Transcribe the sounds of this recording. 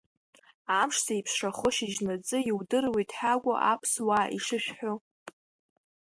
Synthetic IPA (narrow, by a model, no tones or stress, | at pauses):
amʂsaipʰsʂaχʊʃiʒnat͡sʼɨiwdɨrwetʼħaɡʷa̰ʔapʰswaːʔiʂɨʃᶣħo